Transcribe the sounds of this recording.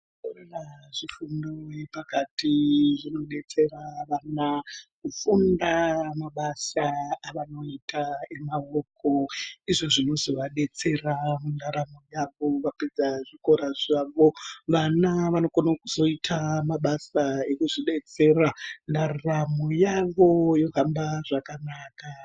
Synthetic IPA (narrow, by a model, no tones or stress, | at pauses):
koreraʐ̥ifundojepakatiʐino̞ɗe̞t͡se̞raʋanakufundamaɓasaaʋano̞itʰae̞mawokoiʐoʐino̞zo̞ʋaɗe̞t͡se̞ramundaɾamojaʋo̞ʋaped͡zaʐiko̞ɾaʐaːʋo̞ʋanaʋano̞konakuzo̞itʰamaɓasaekuʐiɗe̞t͡serandaramojaʋo̞jo̞ɦambaʐakanaːka